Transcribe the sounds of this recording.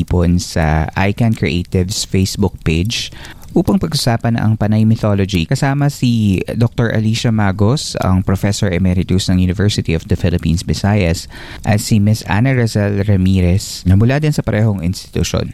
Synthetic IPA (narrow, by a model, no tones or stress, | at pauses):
iponsɐ̰ʔa̰jkɐnkɹḭʔejt̪ɪvsfejsbʊk̚ped͡ʒʔuːpɐŋpɐɡʔʊsaːpɐnʔɐ̰ŋpɐnɐjmɪθolod͡ʒikɐsaːmɐsid̪ok̚t̪oɹʔɐ̰liʃɐmaːɡosɐ̰ŋpɾofɛsɔɹɛmɛɾɪt̪usnɐŋjunɪvɛɹsɪt̪iɔfd̪ɐfɪlɪpḭːnsbɪsajɐs | ʔɐt̪simɪsʔa̰nɐɹɐsɛlɾɛmiːɾɛsnɐmʊlad̪ɪnsɐpɐɾʔɛːɦoŋɪ̰nst̪ɪ̥t̪ʊ̰ʃo̰n